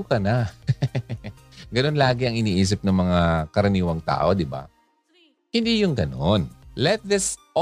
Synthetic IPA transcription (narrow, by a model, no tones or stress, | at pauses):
kɐna | ɡɐno̞nlaːɡɪɐŋɪniːʔiːs̬ɪp̚nɐŋmɐŋakɐɾɐniːwɐŋt̪a̰ːʔo̞d̪ɪba̰ | hɪnd̪iːjʊŋɡɐno̞nlɛt̪̚ðɪs